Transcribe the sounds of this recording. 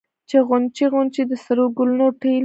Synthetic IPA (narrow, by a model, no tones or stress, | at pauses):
t͡ʃeɣʊnt͡ʃiɣʊnt͡ʃid̪əsaɾoɡʊlunoʈe